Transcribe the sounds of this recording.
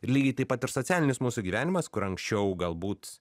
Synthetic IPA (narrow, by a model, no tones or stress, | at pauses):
ɪɾlʲiːɡʲɛɪt̪ɐɪpɐt̪ɪɾsosʲæːlʲɪnʲɪsmuːsuɡʲiːʋʲæːnʲɪmɐskʊɾɐŋksʲt͡ʃʲɛʊɡɐlˠbuːt̪